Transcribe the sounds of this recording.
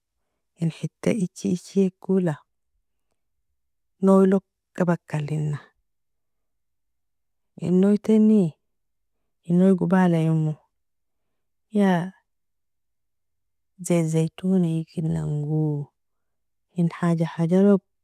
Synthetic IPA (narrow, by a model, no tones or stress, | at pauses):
inħit̪ːa̰ʔit͡ʃːiit͡ʃːieɡula | nowilok | kːabakːalinːa | ʔḭnːojt̪eni | inːojɡubalajumːu | ja | zezejt̪unaikinːaŋɡu | inħad͡ʒaħad͡ʒaɾob̚